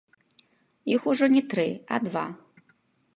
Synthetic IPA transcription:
ixuʐɔnʲɛt̪ɾɨa̰d̪va̰

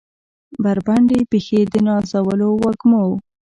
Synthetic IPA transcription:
baɾbaɳɖepexed̪ənɑzawəlowaɡmo

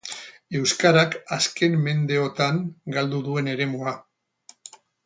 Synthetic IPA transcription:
e̞wskaɾakaske̞mːe̞nd̪e̞o̞t̪aŋɡald̪uðue̞ne̞ɾe̞mua

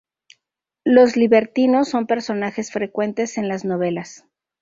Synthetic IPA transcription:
lo̞zliβe̞ɾt̪ino̞sːo̞mpe̞ɾso̞naxe̞sfɾe̞kwe̞nt̪e̞se̞nlazno̞β̞e̞las

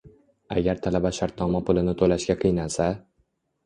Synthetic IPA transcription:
a̰ɡʲaɾt̪ʰalabaʃaɾt̪̚nɒmapʰʊlɪnɪt̪ʰolaʃkʲaqʰɨjnasa

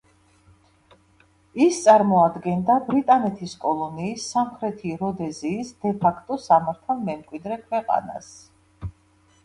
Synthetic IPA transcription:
ist̪sʼaɾmɔad̪ɡɛnd̪abɾit̪ʼanɛt̪ʰiskʼɔlˠɔniːsːamχɾɛt̪ʰiɾɔd̪ɛziːsd̪ɛpʰakʰt̪ʼɔsamaɾt̪ʰalˠmɛmkʼwid̪ɾɛkʰwɛqʼa̰na̰s

